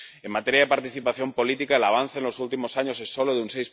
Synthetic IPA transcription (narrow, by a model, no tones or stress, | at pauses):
emːat̪eɾjaðepaɾt̪iθipaθjo̞mpo̞lit̪ikaelaβ̞an̟θaenlo̞sult̪imo̞saɲo̞se̞so̞loðeunsejs